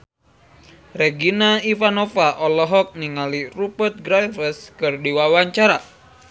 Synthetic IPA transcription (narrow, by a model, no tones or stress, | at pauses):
reɡinaifanɔfaʔɔlɔɦɔk̚niŋalirupərt̪̚ɡɾajfəskɨrdiwawaɲt͡ʃaɾa